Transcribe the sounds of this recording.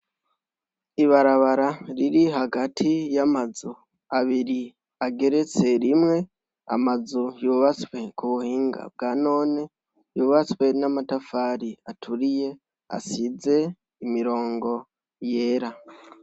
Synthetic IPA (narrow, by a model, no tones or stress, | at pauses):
iβaɾaβaɾaɾiɾiɦaɡatʰijamazu | aβiɾi | aɡe̞ɾe̞t͡se̞ɾimŋe̞ | a̰mazujuβat͡swe̞kuβuhiːŋɡa̰b̚ɡaːno̞ːne̞ | juβat͡swe̞namatafaːɾiatʰuɾije̞ | a̰size̞ | imiɾo̞ːŋɡo̞ | je̞ːɾa